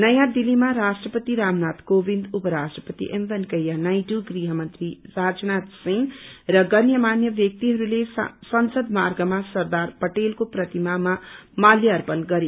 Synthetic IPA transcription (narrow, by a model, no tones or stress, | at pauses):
nʌjãd̪ilimaɾasʈrʌpʌt̪iɾamnat̪kobind̪upʌɾasʈrʌpʌt̪ḭʔembʌnkʌjanajʈuɡriɦʌmʌnt̪risad͡znat̪siŋɡrʌɡʌnjʌmanjʌbjʌk̚t̪iɦʌɾulesʌnsʌd̪marɡʌmasʌrd̪arpʌʈelkoprʌt̪imamamaljʌʌrpʌnɡʌɾi